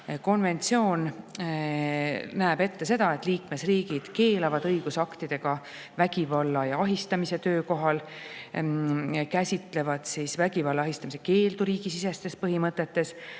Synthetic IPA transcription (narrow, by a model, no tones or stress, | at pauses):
ko̞nve̞nt̪sio̞ːn | næːbe̞t̪ːe̞se̞d̪̥ɑe̞t̪ːˑliːkme̞sriːɡ̥id̪̥ke̞ːlɑvɑd̪̥ɤjɡ̥usɑkt̪id̪̥e̞ɡ̥ɑ | væɡ̥ivɑlːɑjɑɑɦist̪ɑmise̞t̪øːko̞ɦɑl | kæsʲit̪ˑle̞vɑd̪̥sisvæɡivɑlːɑɑɦist̪ɑmise̞ke̞ːld̪uɾiːɡ̥isisest̪e̞spɤɦimɤt̪ːˑe̞t̪ːe̞s